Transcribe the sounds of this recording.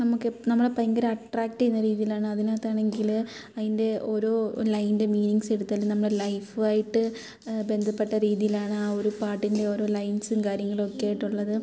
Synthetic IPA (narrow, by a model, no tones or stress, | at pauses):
nɐmukːɨnɐmːɐɽepɐjɐŋɡɐɾɐɐʈraːk̚ʈːenːɐɾiːðijilaːɳɨɐðinaːt̪ːaːɳe̞ŋɡil | ɐðinde̞ʔo̞ːɾo̞ːlɐjnde̞miːniŋɡse̞ɽut̪ːɐːlːunɐmːɐɭelɐjfɨaːjiʈːɨ | be̞nd̪ʱɐpːeʈːɐɾiːðijilaːɳɨaːo̞ɾupaːʈːinde̞o̞ːɾo̞ːlɐjnsɨnkaːɾjɐŋːɐɭo̞kːejaːjiʈːuɭːɐðɨ